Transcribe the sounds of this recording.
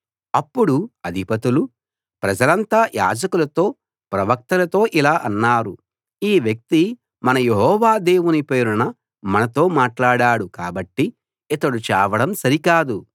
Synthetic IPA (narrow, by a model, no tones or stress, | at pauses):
ɐpːuɽuɐd̪ʱipɐt̪ulu | pɾɐd͡ʒɐlɐnt̪aːja̰ːd͡ʒɐkulɐt̪o̞ː | pɾɐʋɐk̚t̪ɐlɐt̪o̞ːʔilaːʔɐnːaːɾu | iːʋjɐk̚t̪i | mɐnɐjeɦɔːʋaːd̪e̞ːwunipeːɾunɐ | mɐnɐt̪o̞ːmaːʈlaːɽaːɽukaːbɐʈːi | ɛt̪ɐɽut͡ʃɛːʋɐɽɐmsɐɾikaːd̪u